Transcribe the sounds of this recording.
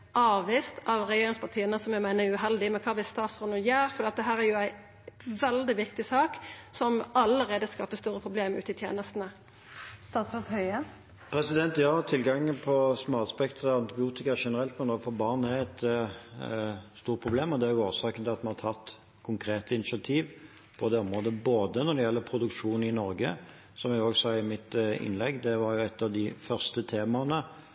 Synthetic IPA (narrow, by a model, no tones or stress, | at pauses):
ʔɑːʋʋɪːst̪ɑʋɾɛjeːɾɪŋspʰɑt̪ʰiːənəsɔmjæɪmæɪnəʉɦɛld̪ɪmɛkʰɑːʋɪst̪ɑːt̪sɔnujæːɾfɔd̪iːɑt̪̚d̪ɛɦæːɾæɾjʊæɪ | ʋɛld̪ɪʋɪkt̪ɪsɑːksɔmɑləɾeːd̪əskɑːpəst̪uːɾəpʰʁʊbleːmʉ̰ːt̪ɪt̪ʰjḛːnəst̪n̩ə | st̪ɑːt̪sɔʁt̪hœʏə | pʰɾɛsɪd̪ɛnt̪jɑːt̪ʰɪlɡɑŋːəpʰɔsmoːɑspɛkt̪ʰəɑnt̪ɪbɪuːt̪ɪkɑʂɛnəɾɛlt̪mɛnoːɡfɔbɑʁnæɾɛt̪ | st̪uːɾ̚pʰʁʊbleːmɔd̪ɛæɾjʊoːsɑːkənt̪ɪlɑt̪mɑnɑt̪ʰɑt̪ː | kʰʊŋkʰɾeːt̪əɪnɪʂɑt̪ʰiːʋ | pʰɔd̪ɛːɔmʁoːd̪əboːd̪ənɔd̪ɛjɛlːəpʰɾʊd̪ʉkʂuːnɪnɔɾɡə | sɔmjɛɡoːɡsɑːɪmɪt̪ɪ̰nlɛɡːd̪ɛʋɑɾjʊɛt̪ːɑʋd̪ɪfœʁst̪ət̪ʰeːmɑnə